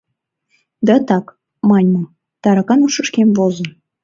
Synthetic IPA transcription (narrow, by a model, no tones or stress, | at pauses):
d̪ɑt̪ɑk | mɑnʲmɤ̆ | t̪ɑɾɑkɑnuʃə̆ʃkemvozə̆n